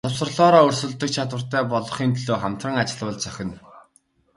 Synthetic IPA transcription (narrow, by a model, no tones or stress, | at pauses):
t̪ʰʊwsə̆rɮɔːɾɔːɵrsɵ̆ɮt̪ɵ̆k̚t͡ɕʰat̪wə̆r̥t̪æːpɔɮɞ̆χiːnt̪ʰɮoːχam̥t̪rə̆ŋat͡ɕɪ̆ɮwə̆ɮt͡sœxʲɪ̆n